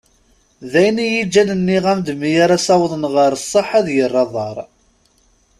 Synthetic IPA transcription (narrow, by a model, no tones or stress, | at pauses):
ðæjnijid͡ʒːænənːiʁæmd̪mijaɾæsɑwðˤənʁəɾəsˤːəħæðjərˤːɑðˤɑɾˤ